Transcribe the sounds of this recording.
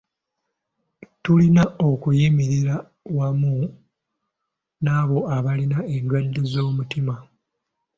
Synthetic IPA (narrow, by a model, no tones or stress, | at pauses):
tulinao̞kujimiɾiɾa | wamu | naːβo̞aβalinae̞ndwadːe̞zo̞ːmutima